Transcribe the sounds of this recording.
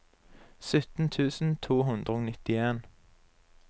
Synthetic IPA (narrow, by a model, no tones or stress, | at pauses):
sʏt̪n̩t̪ʰʉːsn̩t̪ʰuːɦʉnd̪ʁəoːnɪt̪ɪeːn